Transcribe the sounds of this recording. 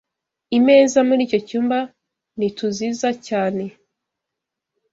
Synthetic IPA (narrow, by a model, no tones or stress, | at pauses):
ime̞ːzamuɾiːco̞cuːmba | nituziːzacaːne̞